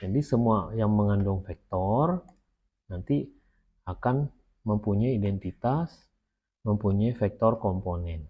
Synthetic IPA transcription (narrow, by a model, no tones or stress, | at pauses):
d͡ʒadisəmuajaŋməŋandʊŋfɛk̚t̪ɔr | nant̪i | akan | məmpuɲajidɛnt̪it̪as | məmpuɲaifɛk̚t̪ɔrkɔmponɛn